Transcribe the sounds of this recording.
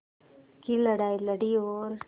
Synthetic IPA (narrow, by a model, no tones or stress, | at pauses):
kiləɽaːjləɽiol